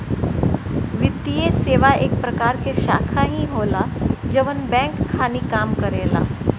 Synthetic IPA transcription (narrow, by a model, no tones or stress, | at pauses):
ʋɪt̪ːijeseːʋaeːk̚pɾɐkaːɾkeʃaːkʰaɦĩɦoːlad͡ʒɐʋənbɛ̃ːŋkʰːaːnikaːmkɐɾeːla̰ː